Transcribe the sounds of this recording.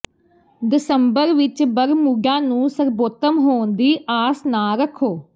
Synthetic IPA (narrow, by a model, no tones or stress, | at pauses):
d̪ɪsəmbəɾʋɪt͡ʃbəɾmuɡãːnũːsəɾboːt̪əmɦoːnd̪iːʔaːsnaːɾəkʰoː